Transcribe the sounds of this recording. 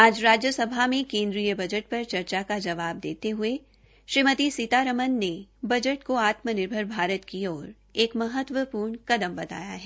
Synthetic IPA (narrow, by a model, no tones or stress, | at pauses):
aːd͡ʒɾaːd͡ʒjəsɐbʱamẽkẽːnd̪ɾijəbɐd͡ʒəʈ̚pɐɾt͡ʃɐɾt͡ʃakad͡ʒɐʋaːb̚d̪eːt̪eɦʊe | ʃɾimət̪isit̪aɾəmənːebɐd͡ʒəʈkoaːt̪mənɪɾbʱəɾbʱaːɾət̪kiɔːɾ | eːkmɐɦət̪wəpuːɾɳkɐd̪əmbɐt̪a̰ːjaɦɛː